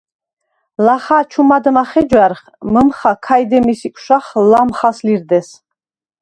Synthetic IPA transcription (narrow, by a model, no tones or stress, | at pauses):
laχaːt͡ʃʰumad̪maχɛd͡ʒwaɾχ | məmχakʰajd̪ɛmisikʷʰʼʃaχlamχasliɾd̪ɛs